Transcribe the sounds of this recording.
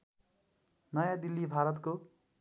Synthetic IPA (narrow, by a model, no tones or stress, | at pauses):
nʌjãd̪ilːibʱaɾʌt̪ko